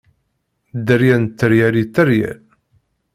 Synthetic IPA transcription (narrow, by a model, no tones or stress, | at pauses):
d̪əɾjænt̪ːəɾjælit̪ːəɾjæ̰l